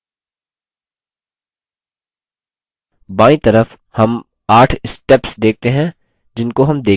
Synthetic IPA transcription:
baːĩt̪ɐɾəf | hɐm | aːʈʰɪsʈɛpsd̪eːk̚ʰt̪eɦɛ̃ | d͡ʒɪnkoɦɐmd̪eː

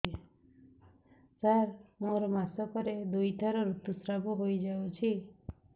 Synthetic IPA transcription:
saɾmoɾɔmasɔkɔɾed̪ujt̪ʰaɾɔɾut̪usɾabɔɦojd͡ʒawt͡ʃʰi

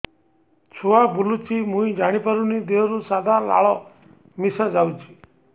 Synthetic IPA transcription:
t͡ʃʰoabʱulut͡ʃʰimũĩd͡ʒaɽ̃ipəɾunid̪eɾusad̪ʱala̰ɭɔ | misad͡ʒawt͡ʃʰi̥

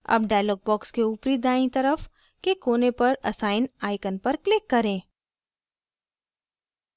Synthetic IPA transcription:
ɐ̰b̚ɖaːjlɔːɡ̚bɔːkskeʊːpɾid̪aːĩt̪ɐɾəf | kekoːnepɐɾɐ̰saːɪnaːɪkənpɐɾklɪkːɐɾẽː

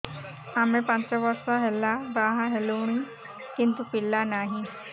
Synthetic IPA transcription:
amẽpɐ̃nt͡ʃaʋɔɾsaɦelabaɦaɦeluɽ̃i | kint̪upilːanaːɦĩ

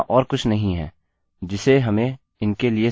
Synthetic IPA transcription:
ʔɔːɾkʊt͡ʃʰnɐɦĩɦɛ̰ː | d͡ʒɪseɦɐmẽ | ɪnkelie

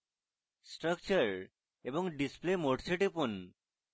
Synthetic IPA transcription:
sʈɾʌkt͡ɕəɾ | eboŋɖisplemoʈseʈipun

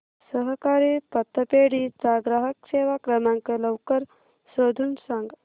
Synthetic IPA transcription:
səɦkaːɾiːpɐt̪ːəpeːɽit͡saɡɾaɦəkseːʋakɾɐmaŋkələwkəɾ | soːd̪ʱunsaŋɡ

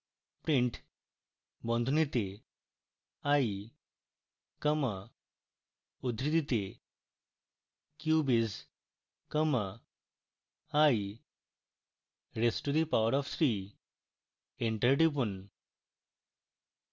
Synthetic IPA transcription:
pɾiɳʈ | bɔ̃nd̪ʱunit̪e | aji | kəma | ud̪ʱɾid̪it̪e | kjubiz | kəma | aj | ɾesʈud̪ipaʋəɾɔfsɾi | eɳʈəɾʈip̬un

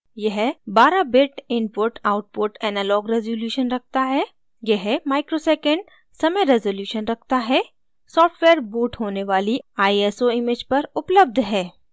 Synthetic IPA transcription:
jɐɦbaːɾabɪʈɪnpʊɾʈaːʊʈ̚pʊʈɛːnaːlɔːɡɾɛzoljuːʃənɾɐk̚t̪aɦɛː | jɛɦmaːɪkɾoseːkə̃ɳɖ | sɐməɾɛzoljuːʃənɾɐk̚ʰt̪aɦɛ | sɔːfʈʋeːəɾbuːʈɦoːneʋaːliaːiesoɪmed͡ʒpɐɾʊpləb̚d̪ʱɦɛː

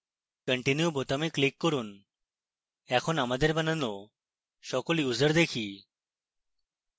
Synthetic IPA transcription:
kəɳʈinjubot̪amiklikːɔɾun | ɛkʰonamad̪eɾbanəno | ʃɔkoliuzəɾd̪ekʰi

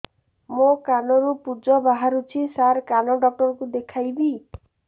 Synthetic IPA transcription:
mokanɔɾupud͡ʒɔbaɦaɾut͡ʃʰisaɾkanɔɖɔk̚ʈɔɾɔkud̪ekʰajbi

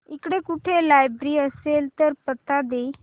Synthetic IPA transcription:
ikɽekuʈʰelajbɾiːəselt̪əɾpət̪ːad̪e

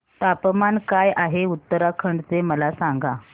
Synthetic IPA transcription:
t̪apmankajaɦeut̪ːəɾakʰəɳɖt͡seməlasaŋɡa

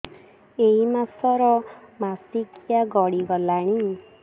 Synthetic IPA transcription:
eimasɔɾɔmasikijaɡɔɽiɡɔlaɽ̃i

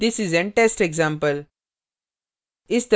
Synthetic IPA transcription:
d̪ɪsizɛ̃ɳʈesʈeɡzãmpəl | ɪsd̪

